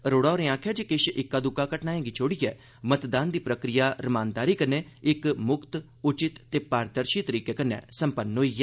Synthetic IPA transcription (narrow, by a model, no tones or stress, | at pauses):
ɾoːɽaːɾẽːãːkʰjaːd͡ʒeːkɪʃʔɪkːaːd̪ʊkaːkəʈnaːẽːɡit͡ʃʰoːɽiːɛ̰ː | mət̪d̪aːnd̪iːpɾəkɾɪjaːɾəmãːnd̪aːɾiːkəneːɪkmʊkt̪ | ʊt͡ʃɪt̪ːeːpaːɾd̪əɾʃiːt̪əɾiːkeːkənɛ̰̃ːsəmpənɦoːiːɛː